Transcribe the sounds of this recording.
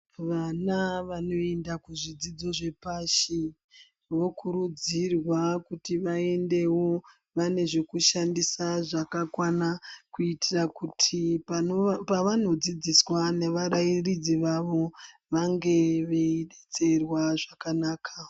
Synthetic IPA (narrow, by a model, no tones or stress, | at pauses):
ʋanaʋano̞e̞ndakuʐid͡zid͡zo̞ʐe̞paʃi | ʋo̞kʰuɾud͡zirwakutiʋae̞nde̞wo̞ | ʋane̞ʐe̞kuʃandisaʐakakwanakuitirakutʰi | paʋan̤o̞d͡zid͡ziswane̞ʋaɾairid͡ziʋaʋo̞ | ʋaŋɡe̞ʋe̞iɗet͡se̞rwaʐakanaːkʰa